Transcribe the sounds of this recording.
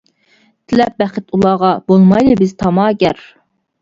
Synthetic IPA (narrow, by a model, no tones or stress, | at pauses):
t̪ʰɪlɛp̚bɛχɪt̪ulˠɑːʁɑbolˠmɑjlɨbɪzt̪ʰɑmɑːɡʲɛɾ